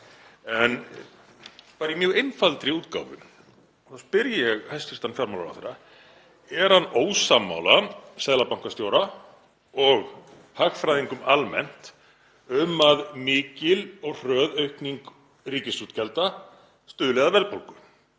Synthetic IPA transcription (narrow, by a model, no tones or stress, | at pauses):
ɛn | paːɾimjœːɣejnfalt̪ɾiuːt̪ka̰wvʏ̰ | θawspɪɾjɪjɛɣhajst̪ɪ̥st̪anfjaɾmawlawɾa̰θeɾːa | ɛɾ̥hanːoːwsamːa̰ːwlasɛːðlapawŋ̥kast̪jowɾa | ɔɣ | haxfɾajðiŋkʏmalmɛ̰n̥t̪ | ʏmaðmɪːcɪlɔɣr̥œːðœɥhkniŋk | riːcɪsuːt̪cʰɛlt̪a | st̪ʏːðʏlɛɣðavɛlpolkʏ